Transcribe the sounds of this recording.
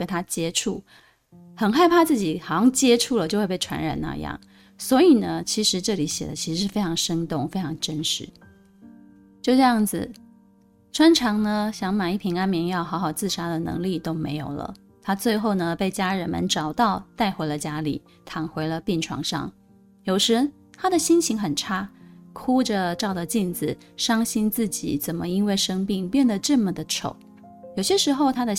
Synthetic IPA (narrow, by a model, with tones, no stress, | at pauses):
ke˥nt̪ʰa˥t͡ɕjɛ˥ʈ͡ʂʰu˥˩ | xə˨˩nxa˥˧ɪpʰa˥˧t͡sɹ̩˥˩t͡ɕi˨˩xɑ˨˩ʊjɑ˥˧ŋt͡ɕjɛ˥ʈ͡ʂʰu˥˩lə˩t͡ɕjo˥˧ʊxwe˥˧pe˥˩ʈ͡ʂʰwa̰˧˥nɻa̰˨˩nna̰˧jɑ̰˥˩ŋ | swɔ˧˥i˨˩nə˦t͡ɕʰi˧˥ʂɻ̩˧˥ʈ͡ʂɤ˥˩li˧˥ɕjɛ˨˩d̪ə˦t͡ɕʰi˧˥ʂɻ̩˧˥ʂɻ̩˥˩e˥ɪʈ͡ʂʰɑ˧˥ŋʂə˥nt̪ʊ˥˩ŋfe˥ɪʈ͡ʂʰɑ˧˥ŋʈ͡ʂə˥nʂɻ̩˧˥ | t͡ɕjo˥˧ʊʈ͡ʂɤ˥˧jɑ˥˩ŋd͡zɹ̩̰˩ | ʈ͡ʂʰwa˥nʈ͡ʂʰɑ˧˥ŋnə˧ɕjɑ˧˥ŋma˨˩i˥˩pʰi˧˥ŋa˥nmjɛ˧˥njɑ˥˩ʊxɑ˧˥xɑ˨˩ʊt͡sɹ̩˥˩ʂa˥d̪ə˨nɤ̰˧˥ŋli˥˨t̪o˥ʊmḛ˧˥ɪjo˨˩ʊlə̰˦ | t̪ʰa˥t͡swe˥˧ɪxo˥˩ʊnə˩pe˥˩ɪt͡ɕja˥ɻə˧˥nmə̰˧nʈ͡ʂɑ˨˩ʊt̪ɑ˥˧ʊt̪a˥˩ɪxwe˧˥ɪlə˧t͡ɕja˥lḭ˨˩˦ | t̪ʰɑ˧˥ŋxwe˧˥ɪlə˧pi˥˩nʈ͡ʂʰwɑ̰˧˥ŋʂɑ̰˥˩ŋ | jo˨˩ʊʂɻ̩˧˥ | t̪ʰa˥d̪ə˨ɕi˥nɕi˧˥ŋxə˨˩nʈ͡ʂʰa˥kʰu˥ʈ͡ʂə˨ʈ͡ʂɑ˥˩ʊd̪ə˩t͡ɕi˥˩nd͡zɹ̩˨˩ | ʂɑ˥ŋɕi˥nt͡sɹ̩˥˩t͡ɕḭ˨˩t͡sə˨˩nmə̰˦i˥nwe˥˩ɪʂɤ˥ŋpi˥˩ŋpjɛ˥˩nd̪ə˩ʈ͡ʂɤ˥˩mə˨˩d̪ə˩ʈ͡ʂʰo̰˨˩˦ʊ | jo˨˩ʊɕjɛ˥ʂɻ̩˧˥xo˥˧ʊt̪ʰa˥d̪ə˨